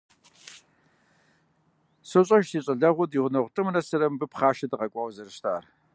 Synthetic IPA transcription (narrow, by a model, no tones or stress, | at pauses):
sɨɕʼɐʃsiːɕʼɐɮɐʁʷʊdiʁʷʊnɐʁʷtʼɨmnɐsɐɾɐmbɨpχaːʃɐdɨqɐkʷʼɑwzɐrɨʃtʰʼa̰ːr